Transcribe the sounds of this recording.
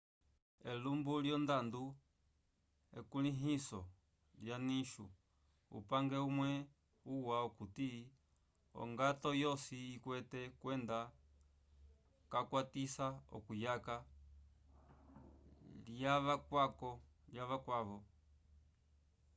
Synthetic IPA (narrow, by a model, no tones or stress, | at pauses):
ɛlumbuljɔnd̪andu | ɛ̰kuliɦisɔ | ljaniʃṵ | ṵpaŋɡɛumwɛ | uwaukuti | ɔ̰ŋɡatɔjɔsiːkwɛtɛkwɛnda | kakwatisaɔ̰kujaka | ljaʋakwakɔ | ljaʋakwaʋɔ